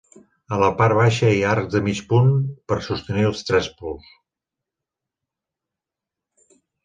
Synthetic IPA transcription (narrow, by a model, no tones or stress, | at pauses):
ələpaɾβaʃəiarkzðəmit͡ʃpunpəɾsust̪ənilˠst̪ɾɛspulˠs